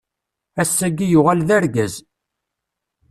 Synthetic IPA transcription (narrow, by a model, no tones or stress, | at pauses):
æsːæɡijʊʁælðæɾɡæz